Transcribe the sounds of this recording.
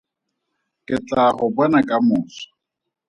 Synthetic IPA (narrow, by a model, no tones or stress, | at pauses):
kʼɪt͡ɬʼahʊbwɛnakʼamʊːsɔ̥